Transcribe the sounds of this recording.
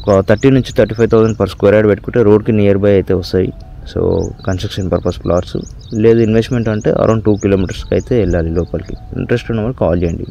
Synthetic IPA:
ɔkɐt̪ʰɐʈːinuɲt͡ʃit̪ʰɐɾʈiːpʰɐjt̪ʰɐwsɐɳɖpʰɐɾskeɾaːɖpeʈ̚kuɳʈeːɾo̞ːɖkinijɐɾbɐjɐjt̪e̞ːʋɐst̪aːjḭ | so̰ːkɐnsʈɾɐkʂɐnpɐɾpɐsplaːɾsṵ | leːd̪uinʋesʈme̞ɳʈɐɳʈe̞̰ːʔɐ̰ɾɐ̰wɳɖʈuːkiloːmiʈɐɾskɐjit̪eɛɭːaːlilɔːpɐlkiḭɳʈɾesʈunːɐʋɐːlɐka̰ːld͡ʒeɳʈḭ

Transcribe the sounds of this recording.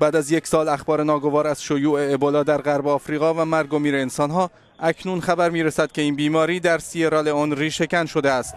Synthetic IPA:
b̥æːd̪æzjecʰsɒːlæxbɒːɾenɒːɡo̞vɒːɾæz̥ʃojuːʔe̞ːbɒlɒːd̪æɾʁæɾbeɒːfɾiːɣɒːvæmæɾɡo̞miːɾeːnsɒːnɦɒː | ʔækʰnunxæbæɾmiːɾesæd̪̚cʰʲe̞iːnbiːmɒːɾiːd̪æɾsieɾɒːleɒːnriːʃe̞cʲænʃo̞d̪eæst̪

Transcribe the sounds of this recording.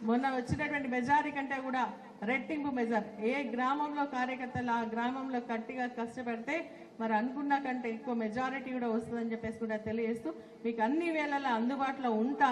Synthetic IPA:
munːɐʋɐt͡ʃːinɐʈuʋɐɳʈimɛd͡ʒaːɾikɐɳʈe̞ːkuːɽaː | ɾeʈːiŋbumed͡ʒɐɾeːɡɾaːmɐmlo̞ːkaːɾjɐkɐɾt̪ːɐluaːɡɾaːmɐmlo̞ːkɐʈːiɡaːkɐʂʈɐpɛɽit̪e̞ː | mɐɾiɐnukunːɐkɐɳʈeːikːuʋɐmed͡ʒaːɾiʈikuːɽaːʋɐst̪und̪ɐnd͡ʒepːe̞ːsi̥kuːɽaːt̪elid͡ʒe̞ːst̪uː | miːkuɐnːiʋɛːɭɐlɐɐnd̪ubaːʈloːuɳʈ̪aː

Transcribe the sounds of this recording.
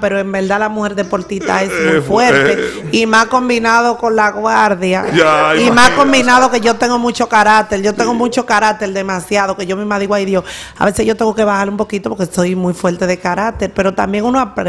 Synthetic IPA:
pe̞ɾoembe̞ld̪alamuhe̞ɾðe̞po̞ɾt̪it̪a̰esmufwe̞ɾt̪eimasko̞mbinaðo̞ko̞nlaɣwaɾðjaimasko̞mbinaðo̞ke̞ʝo̞t̪eŋɡo̞mũt͡ʃo̞kaɾat̪eɾʝo̞t̪eŋɡomũt͡ʃo̞kaɾat̪e̞ɾd̪e̞masjaðoke̞ʝo̞mĩmaðiɣwaiðjo̞sa̰βese̞sʝo̞t̪e̞ŋɡoke̞βahaɾlumpo̞kit̪opo̞ɾkeso̞jmujfwe̞lt̪e̞ðe̞kaɾak̚t̪e̞ɾpe̞ɾo̞t̪ambje̞ŋunoapɾe

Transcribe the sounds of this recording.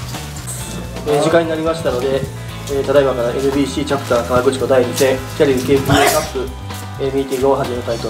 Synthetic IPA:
eːʑikãɲ̟ːinaɾʲimaɕi̥t̪ano̞d̪e̞ː | t̪ad̪aibakaɾaʔe̞ɾɯ̟bʲiːɕiːt͡ɕakɯ̟t̪aːk̪aaɡɯ̟t͡ɕi̥ko̞d̪aiɲise | kʲaɾʲiɯkeːkɯikapːɯ̟ | emʲiːt̪ʲiɡɯoɦaʑimeɯt̪ait̪o̞

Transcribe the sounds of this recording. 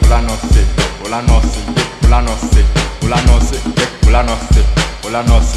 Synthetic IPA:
ulanɔsɪbulanɔsieulanɔsɪulanɔsɪɛbulanɔsɪulanɔs

